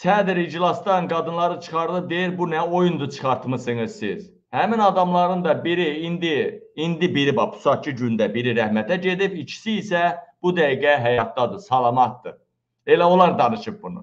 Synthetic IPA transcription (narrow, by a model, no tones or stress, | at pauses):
sæd̪iɾid͡ʒlˠɑsd̪ɑnɡɑd̪ɯnlˠɑɾɯt͡ʃʰɯ̥χɑɾd̪ˠɯp̚d̪e̞jiɾbunæo̞jund̪ut͡ʃʰɯ̥χɑɾt̪mɯsɯŋɯzsiz̥ | hæminɑd̪ɑmlˠɑɾɯnd̪ɑbiɾiind̪i | ind̪ibiɾibɑpʰu̥sɑt͡ʃʰɯɟynd̪æbiɾiɾæhmæt̪ʰæɟe̞d̪ipit͡ʃʰi̥siːsæb̥ud̪æiɡæɦæjɑt̪̚d̪ɑd̪ɯsɑlˠɑmɑt̪̚d̪ɯ | e̞læo̞lˠɑɾd̪ɑnɯʃɯp̚bunṵ